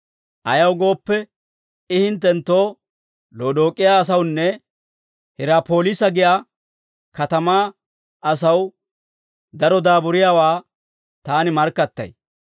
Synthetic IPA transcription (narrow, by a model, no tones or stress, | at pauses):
ʔɐjɐwɡo̞ːpːɛ | ɪhɪnt̪̬ːɛnt̪ːoː | lo̞ːd̪o̞ːkʼːɪjaːs̬ɐwnːɛ | hɪɾaːpo̞ːlɪsɐɡɪjaː | kɐt̪ɐmaː | ɐs̬ɐw | d̪ɐɾɔd̪aːbʊɾɪjaːwaː | t̪aːnɪmɐɾkːɐt̪ːɐ̰j